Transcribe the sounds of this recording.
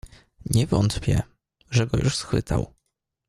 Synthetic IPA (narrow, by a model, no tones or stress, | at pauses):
ɲɛvɔnt̪pʲjɛ̰ | ʐɛɡɔjuʂsxfɘt̪a̰w